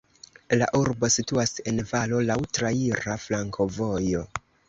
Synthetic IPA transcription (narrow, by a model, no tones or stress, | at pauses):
la̰ʔuɾbo̞situase̞nvalo̞lawtɾaiɾaflaŋkʰo̞vo̞jo̞